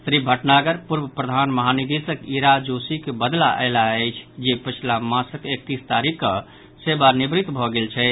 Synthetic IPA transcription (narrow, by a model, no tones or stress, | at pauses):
sɾibʱəʈnaɡəɾpuɾbəpɾəd̪ʱanməɦanid̪isəkiɾad͡ʒosikebəd̪laʔə̰laəjt͡ʃʰd͡ʒepət͡ʃʰilamãsəkek̚t̪ist̪aɾikːə | sebanibɾit̪bʱɔɡelt͡ʃʰɛ